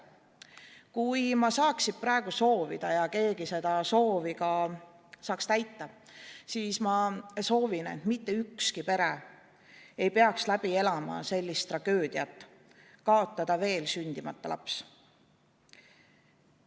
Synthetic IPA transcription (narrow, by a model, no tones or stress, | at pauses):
kujmɑsɑːksid̪̥̚prɑe̞ɡ̥uso̞ːvḭd̪̥ɑjɑke̞ːɡise̞d̪̥ɑso̞ːviɡɑ | sɑːkst̪æjt̪ːɑsiːsmɑso̞ːvine̞̰t̪mit̪ːe̞ykskipe̞ɾe | e̞jpe̞ɑkslæb̥ie̞lɑmɑ̰se̞lʲːist̪ːˑrɑɡ̥ø̞ːd̪̥iɑt̪ːˑ | kɑo̞t̪ːˑɑd̪ɑve̞ːlsynʲd̪̥imɑt̪ˑːɑlʔɑ̰ps